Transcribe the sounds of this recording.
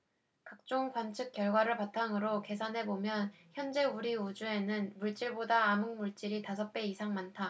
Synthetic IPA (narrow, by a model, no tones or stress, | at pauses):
kak̚t͡ɕ͈oŋkwant͡ɕʰɯk͈̚jʌɭɡwaɾɯɭpatʰaŋɯɾoke̞sʰanɦe̞bomjʌnçjʌnd͡ʑe̞uɾiud͡ʑue̞nɯnmuɭt͡ɕ͈iɭbodaːmɯŋmuɭt͡ɕ͈iɾitas̬ʰʌp̚p͈e̞isʰaŋmantʰa